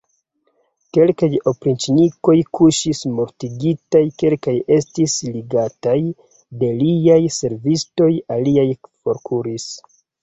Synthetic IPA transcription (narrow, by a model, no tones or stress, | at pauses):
ke̞lkajo̞pɾint͡ʃiniko̞jkuʃismoɾtiɡitajke̞lkaje̞stisliɡataj | de̞liajse̞ɾvisto̞jaliajfo̞ɾkʰuɾis